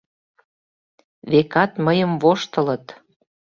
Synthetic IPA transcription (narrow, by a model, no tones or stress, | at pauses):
βekɑt̪məjəmvoʃt̪ə̆lə̆t̪